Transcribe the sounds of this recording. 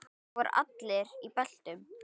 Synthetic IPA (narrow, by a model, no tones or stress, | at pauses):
vɔɾa̰t̪lɪɾipɛl̥t̪ʏm